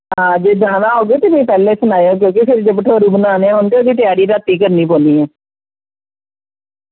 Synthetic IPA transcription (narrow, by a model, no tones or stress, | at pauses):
ɦɦãːd͡ʒeːd͡ʒãːnãːɦoːɡeːt̪eːmẽːpɛːlẽːsʊnaːjoːk̬jõːkepʰɪɾd͡ʒebʈʰəːɾuːbənaːneːãːɦʊnkeod̪iːʈɪjaːɾiːɾaːt̪ːiːkəɾniːpõːnd̪iːɦɛː